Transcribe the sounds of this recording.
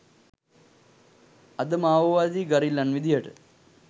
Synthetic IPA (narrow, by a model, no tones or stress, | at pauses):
ɐd̪əmaːʋəʋaːd̪iːɡaɾilːanʋid̪ijəʈə̰